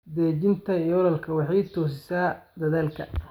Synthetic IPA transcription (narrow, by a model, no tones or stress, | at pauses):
d̪ɛːt͡ʃɪnt̪ʰɐijɔlɐlkʰɐwɑħɑjt̪ʰɔːsɪsaːd̪ɐðaːlkʰɐ̰